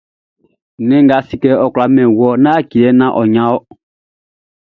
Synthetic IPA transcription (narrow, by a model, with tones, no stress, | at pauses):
nɛ̃˦ŋɡa˨˦si˦kɛ˦ɔ˨ku˨la˨mɛ̃˨wɔ˦nã˦ki˨ɛ˨˦nã˦ʔɔ˨ɲã˨˦ɔ˦